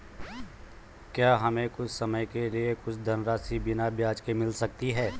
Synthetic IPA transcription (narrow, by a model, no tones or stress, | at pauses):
kjaːɦɐmẽkʊt͡ʃʰsɐməjkeliekʊt͡ʃʰd̪ʱɐnɾaːsibɪnabjaːd͡ʒkemɪlsɐk̚t̪iɦɛː